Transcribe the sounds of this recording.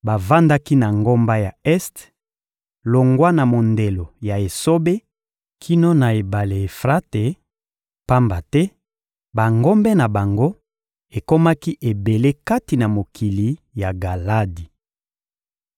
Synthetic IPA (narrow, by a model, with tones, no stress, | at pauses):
ba˨va˦nda˦ki˦na˨ŋɡo˦mba˦ja˨ɛ˦st | lo˨ŋɡwa˦na˨mo˨nde˨lo˨ja˨e˨so˦be˦ | kʰi˦no˦na˨e˨ba˨le˨e˨fʁa˦te˨ | pa˦mba˨tɛ˦ | ba˨ŋɡo˦mbɛ˦na˨ba˨ŋɡo˦ | e˨ko˦ma˦ki˦ʔe˨be˨le˦ka˦ti˨na˨mo˨kʰi˨li˨ja˨ɡa˨la˦di˨